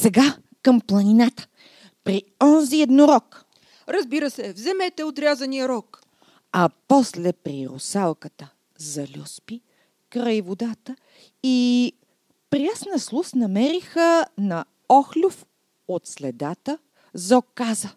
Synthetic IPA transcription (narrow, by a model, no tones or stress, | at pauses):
sɛɡa | kəmplˠɐninat̪ə̥ | pɾi | ɔnziɛd̪noɾɔk | ɾɐzbiɾəsɛvzɛmɛt̪ɛot̪ɾʲazɐnijəɾɔk | ɐpɔslɛpɾiɾʊ̰salˠkət̪ə | zɐlʲuspi | kɾəjvod̪at̪ə | i | pɾiasnəslˠusnɐmɛɾixənɐ | ɔxlʲof | ot̪slɛd̪at̪ə | zɔkːazə